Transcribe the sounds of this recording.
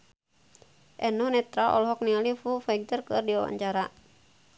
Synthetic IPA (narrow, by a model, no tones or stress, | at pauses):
ʔɛnɔhnɛt̪ɾaʔɔ̰lɦɔk̚nialifufaiɡ̚t̪ərkɨrdiawa̰ɲt͡ʃaɾa